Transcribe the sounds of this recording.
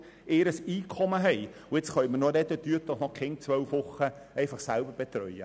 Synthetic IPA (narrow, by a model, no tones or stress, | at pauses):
eːɾəsiːkʰɔməɦɛɪʊɪt͡sχœʏmənodɛdədyət̪lɔχnɔχkʰɛnt͡sʋœwfʋʊχə | ɛɪfɑχsælbəɾb̥et̪ɾœʏə̰